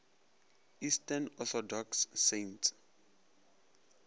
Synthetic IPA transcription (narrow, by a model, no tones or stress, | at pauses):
istanɔθɔdɔksːentʰ